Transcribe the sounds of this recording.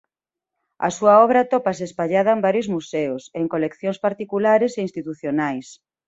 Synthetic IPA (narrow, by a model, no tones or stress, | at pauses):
ɐ̰suɐɔβɾɐat̪ɔpas̬espaʎaðɐembaɾjozmuseʊseŋkolekθjonspaɾt̪ikulaɾeseinst̪it̪uθjonajs